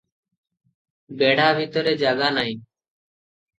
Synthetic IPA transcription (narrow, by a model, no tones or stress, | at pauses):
beːɽ̤aːbʱiːt̪oɾeːd͡ʒaːɡaːnaːĩː